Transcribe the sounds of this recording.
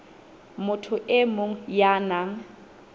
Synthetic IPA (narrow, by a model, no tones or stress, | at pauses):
mʊtʰʊʔɪmʊŋ̩jaːnaŋ